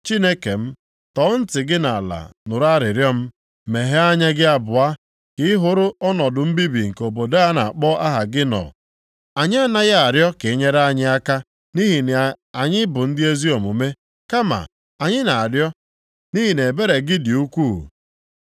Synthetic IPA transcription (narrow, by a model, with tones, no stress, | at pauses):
t͡ʃi˦ne˦ke˨m̩˦ | tɔ˨˦n̩˦tɪ˨ɡɪ˦na˨a˨la̰˨nʊ˨ɾa˦ɾɪ˨ɾjɔ˦m̩˦ | me˨ɦe˦a˦ɲa˦ɡɪ˦a˦bʊ˨a˦ | kɪ˦ɪ˦ɦʊ˨ɾʊ˦ɔ˦nɔ˨dʊ˨m̩˦bi˦bi˨ŋ̩˨ko˨bo˨de˦a˦na̰˨k͡pɔ˦ʔa˦ɦa˨ɡɪ˦nɔ̰˨ | a˨ɲɪ˦a˦na˦ɣa˨ɾjɔ˦ke˨˦ɲe˦ɾa˦ɲɪ˦a˦ka˦ | ni˦ɦi˨n˨a˨ɲɪ˦bʊ˨n̩˦dɪ˦e˦zi˦o˨mo˨me˦ | ka˦ma̰˨ | a˨ɲɪ˦na˨a˨ɾjɔ˦ | ni˦ɦi˨ne˨be˦ɾe˨ɡɪ˦dɪ˨u˦kʷuː˦˨